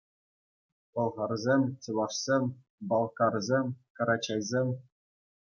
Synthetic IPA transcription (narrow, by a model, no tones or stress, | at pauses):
ʋɤ̆lˠʁɑrzʲemʲt͡ɕɤlˠɑʂsʲemʲ | bɑlˠkɑrzʲemʲkɤ̆ɾɑt͡ɕɑjzʲemʲ